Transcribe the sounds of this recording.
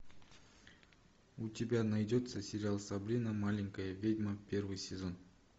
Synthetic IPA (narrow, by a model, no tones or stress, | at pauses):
utʲɪbʲanajdʲo̞t̪səsʲɪɾʲɪalˠsabɾʲinəmalʲɪŋkəjəvʲedʲməpʲe̞ɾvɨjsʲɪzo̞n